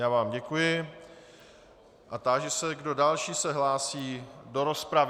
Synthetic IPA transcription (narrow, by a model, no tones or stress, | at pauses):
jaːvaːmɟɛkujɪ | ʔat̪aʒɛsɛɡdo̞dalʃiːsɛɦlaːsiːdo̞ɾo̞spɾav